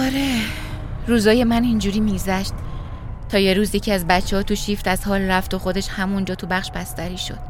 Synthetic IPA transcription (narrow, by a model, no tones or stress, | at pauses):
ɒɾe | ɾuːzɒːje̞mænind͡ʒuɾiːmiːɡzæʃt̪̚ | t̪ʰɒːje̞ɾuːzjecʰiæzbætt͡ʃʰːe̞hɒːt̪ʰuʃiːft̪æz̥hɒːlræft̪o̞xo̞d̪e̞ʃhæmund͡ʒɒːt̪ʰubæχʃbæst̪æɾiːʃo̞̰d̪̥̚